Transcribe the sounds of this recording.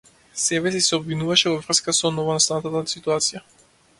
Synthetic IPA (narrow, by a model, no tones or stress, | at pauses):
sɛbɛsisɛɔbvinuvaʃɛvɔvɾr̩skasɔnɔvɔnast̪anat̪at̪at̪sit̪uat̪sija